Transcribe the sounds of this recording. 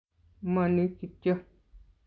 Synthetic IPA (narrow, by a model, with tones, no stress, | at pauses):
mã˨˧nĩ˦ki˧t̪jo˦